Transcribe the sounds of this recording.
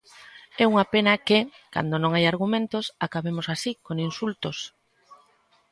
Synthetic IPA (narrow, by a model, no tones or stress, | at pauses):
ɛuŋapenɐkɪ | ka̰nd̪onõŋajaɾɣumẽnt̪osakaβemosasikoŋinsult̪os